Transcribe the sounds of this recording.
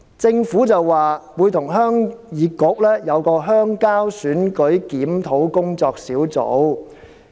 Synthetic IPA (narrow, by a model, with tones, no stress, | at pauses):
t͡sɪ˧ŋfuː˨˥t͡sɐ˨wːaː˨wuː˨˧jt̪ʰʊ˨˩ŋɦœː˥ŋjiː˨˧kʊ˨˧k̚lɛː˥jɐ˨˧wkɔː˧ɦœː˥ŋkaː˥wsyː˨˥nkɵ˨˥ɥkiː˨˥mt̪ʰo˨˥wkʊ˥ŋt͡sɔː˧k̚siː˨˥wt͡so̰˨˥w